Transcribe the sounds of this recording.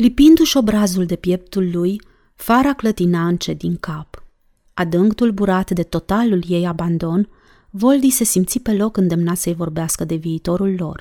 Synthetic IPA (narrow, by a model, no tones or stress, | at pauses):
lipind̪uʃo̞bɾazuld̪e̞pje̞p̚t̪ulːuj | faɾaklət̪inaɨnt͡ʃe̞d̪iŋkap | ad̪ɨŋɡt̪ulbuɾat̪d̪e̞t̪o̞t̪alulje̞jaband̪o̞n | vo̞ld̪ise̞simt̪sipe̞lo̞kɨnd̪e̞mnat̪səjvo̞rbeaskəd̪e̞viːt̪o̞ɾulːo̞̰r